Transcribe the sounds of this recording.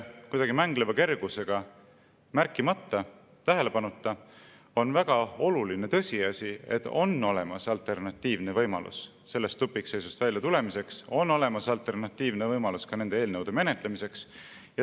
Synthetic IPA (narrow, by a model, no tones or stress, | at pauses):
kujd̪ɑɡimæŋɡ̥levɑke̞rɡ̥use̞ɡ̥ɑ | mærkːˑimɑt̪ːˑɑ | t̪æɦe̞le̞pɑnut̪ːˑɑ | o̞nvæɡ̥ɑo̞luline̞t̪ɤ̞sʲiɑsʲie̞̰t̪ːˑo̞nːo̞le̞mɑsɑlt̪e̞rnɑt̪ːiːvne̞vɤjmɑlʔṵsː | e̞lːest̪ːupːˑikse̞jsust̪vælʲjɑt̪ule̞mise̞kso̞nːo̞le̞mɑsɑlt̪ˑe̞rnɑt̪ːiːvnevɤjmɑluskɑne̞nd̪eeːlnɤwd̪̥e̞me̞ne̞t̪ˑlemise̞ks | jɑ